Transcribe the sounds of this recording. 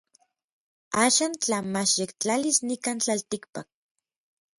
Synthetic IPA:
aːʃaːnt͡ɬamaʃjekt͡ɬalisnikaːnt͡ɬalt̪ikpak̚

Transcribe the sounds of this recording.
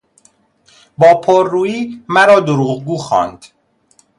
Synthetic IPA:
bɒːpʰoɾːuːiːmæɾɒːd̪oɾuːʁɡuːxɒ̰ːnd̪̥

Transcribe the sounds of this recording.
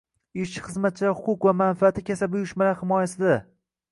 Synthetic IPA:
ɪt͡ʃɪ̥χɨzmat̪̚t͡ʃʰɪlahʊqʊqvamanfɪat̪ʰɪkʲʰasabɪjʊʃmaɾahɪmɒjasɪd̪a

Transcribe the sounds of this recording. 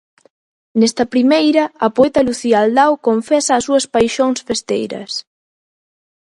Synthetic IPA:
nɛst̪ɐpɾimejɾɐɐpoɛt̪ɐluθiɐald̪awkoɱfɛsɐːsuɐspajʃoŋsfest̪ejɾɐ̰s

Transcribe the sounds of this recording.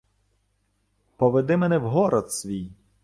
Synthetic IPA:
pɔʋed̪ɪmɛnɛwɦɔɾɔd̪sʲʋʲij

